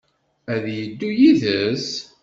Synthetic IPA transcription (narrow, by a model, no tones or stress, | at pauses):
æðjəd̪ːujiðəs